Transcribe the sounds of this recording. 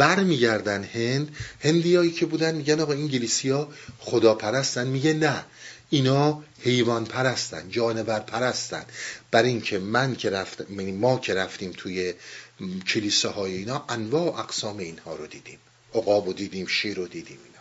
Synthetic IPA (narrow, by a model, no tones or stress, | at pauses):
b̥æɾmiːɟæɾd̪ænhe̞nd̪he̞nd̪iːjɒːiːcʰe̞buːd̪ænd̪miːɟænɒːɣɒːiŋɟeliːsijɒːxod̪ɒːpʰæɾæst̪ænmiːɟenæ | iːnɒːhe̞jvɒːnpʰæɾæst̪æ̰nd̪d͡ʒɒːne̞væɾpʰæɾæst̪æ̰nd̪̥b̥æɾiiŋcʰe̞mæncʰeɾæft̪minimɒːcʰe̞ɾæft̪iːmt̪ʰuːje | cʰeliːsɛhɒːjeiːnɒːʔænvɒːoʔæɡsɒːme̞iːnhɒːɾod̪iːd̪iːm | oɣɒːbod̪iːd̪iːmʃiːɾod̪iːd̪iːminɒː